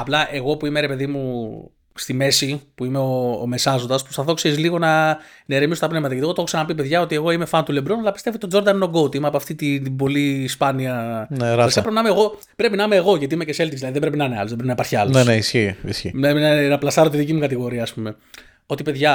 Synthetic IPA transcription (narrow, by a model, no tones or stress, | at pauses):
ɐplɐʔe̞ɣo̞puime̞ɾe̞pe̞ðimu | st̪ime̞sipuime̞o̰ːme̞sɐzod̪ɐspu̥st̪ɐθo̞kseɾizliɣo̞nɐ | neɾemisot̪ɐpne̞vmɐt̪ɐʝɐt̪iɣot̪oxçisɐnɐpipe̞ðʝɐo̞t̪ie̞ɣo̞ime̞fɐnt̪ulebɾonɐlɐpist̪e̞vit̪od͡zo̞ɾd̪ɐninoɡo̞t̪imɐpoɐft̪it̪it̪ibo̞liːspɐniɐnɾsikɐpɾepinɐimeɣo̞ | pɾe̞pinɐɐmeːɣo̞ʝɐt̪iimecese̞lt̪izðiɐðiðebɾe̞pinɐneɐ̰loðbɾepinɐipɐɾçiɐloneneisçiisçḭnemnnɐplɐst̪ɐɾot̪iðicimukɐt̪iɣo̞ɾiɐːspume̞ | o̞t̪ipe̞ðʝɐ